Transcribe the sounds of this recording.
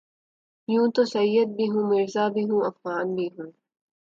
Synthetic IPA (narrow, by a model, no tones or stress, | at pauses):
jũːt̪osɐjːɐd̪̚biɦũmɪɾzaːbiɦũːʔɐfɣaːnbiɦũː